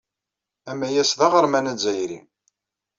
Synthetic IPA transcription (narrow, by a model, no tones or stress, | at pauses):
æmæjæsðaʁəɾmænæzæjɾḭ